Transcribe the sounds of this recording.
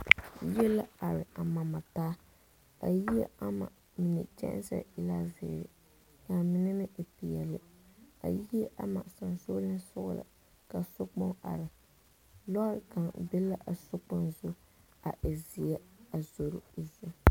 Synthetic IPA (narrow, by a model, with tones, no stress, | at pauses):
jɛ˦la˦a˨ɾɪ˨ʔa˨ma˨ma˨taː˦ | a̰˨ji˦ḛ˦a˦ma̰˨ | mɪ˨nɛ̰˨t͡ʃɛ̰˦ʔsa̰˨ɪ˨laː˦zɪ̰˨ɾɪ̰˨ | ka˨mɪ˦nɛ˦nɪ˦ʔpi˨jɛ˨lɪ˦a̰˨ji˦e˦ʔa˦ma˨sa˨nso˦lɨ˦sʊ˦ɣʊ̰˦la̰˨ | ka˨so˦k͡pɔ˦ŋa̰˨ɾɪ˨ | lɔ˦ɾka˨ŋbɪ˦la˦ʔa˨sʊ˦k͡pɔ˦nzʊ˦ | a˨ʔɪ˨zi˨ɛ˦a˨zo˨ɾʊ˨zu˦